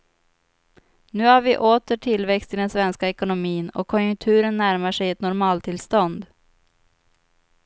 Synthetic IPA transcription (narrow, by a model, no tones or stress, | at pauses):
nʉ̟ːhaɾvɪʔoːt̪əʈʰɪlvɛkst̪ɪld̪ɛnsvɛnskaɛkʊnʊmiːnɔ̰kʰːɔnjɵŋk̚t̪ʰʉ̟ːɾənːæɾmaʂɛjɛt̪nʊɾmɑːlt̪ʰɪlst̪ɔnd̪